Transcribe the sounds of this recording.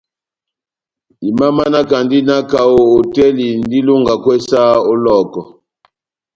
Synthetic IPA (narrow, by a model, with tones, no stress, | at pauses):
i˨ma˦ma˦na˦ka˨ndi˦na˦ka˨wo˨o˨tɛ˦li˨ndi˦lu˦ŋɡa˨kwɛ˦sa˦ɔ˦lɔ˦˨kɔ˨